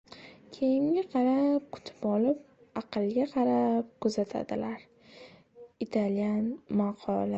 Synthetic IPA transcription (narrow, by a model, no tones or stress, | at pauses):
kʲʰe̞jɪmɡʲaqʰɑɾap̚kʰʊ̥t̪ʰɪ̥pɒlɪp̚ | ɑqɨlˠɡʲaqʰɑɾap̚kʰɵzat̪ʰa̰d̪ɪlaɾ | ɪt̪ʰaljanmaqʰɒlˠɪ